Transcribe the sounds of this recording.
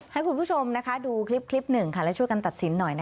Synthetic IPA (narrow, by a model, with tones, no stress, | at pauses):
ha˥˩jkʰu˧npʰuː˦˥˩t͡ɕʰo˧mna˦˥kʰa˦˥duː˧kʰɾi˦˥p̚kʰli˦˥p̚nɯ˨˩ŋkʰa˥˩lɛ˦˥wt͡ɕʰu˥əjka˧nt̪a˨˩t̪̚si˩˦nːɔ˨˩jna˦